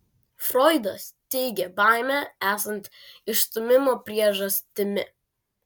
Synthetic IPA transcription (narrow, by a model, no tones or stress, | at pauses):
fɾɔɪd̪ɐst̪ʲɛɪɡʲɛbɑˑɪmʲææːsɐnt̪ | ɪʃst̪ʊmʲɪmoːpʲɾʲiɛʒɐsʲt̪ʲɪmʲɪ̰